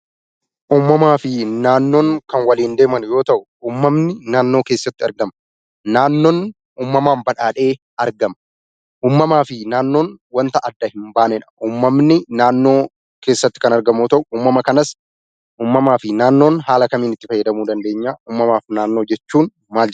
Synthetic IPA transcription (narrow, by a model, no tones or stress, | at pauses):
ʔuːmːɐmaːfɪnaːnːo̞ːŋkɐnwɐliːnd̪e̞ːmɐnjo̞ːt̪ɐʔʊ | uːmːɐmnɪnaːnːo̞ːke̞ːsːɐt̪ːɪɐɾɡɐmɐ | naːnːo̞ːn | uːmːɐmaːmbɐᶑaːᶑe̞ː | ɐɾɡɐmɐ | ʔuːmːɐmaːfɪnaːnːo̞ːnwɐnt̪ɐʔɐd̪ːɐhɪmbaːnɛᶑɐ̥ʔuːmːɐmnɪnaːnːo̞ː | ke̞ːsːɐt̪ːɪ̥kɐnɐɾɡɐmuːt̪ɐʔʊuːmːɐmɐkɐnɐs | ʔuːmːɐmaːfɪnaːnːo̞ːnɦaːlɐkɐmiːnɪt̪ːɪfɐjːɐd̪ɐmuːd̪ɐnd̪e̞ːɲːaːʔuːmːɐmaːfnaːnːo̞ːd͡ʒɛt͡ʃːuːn | maːld͡ʒ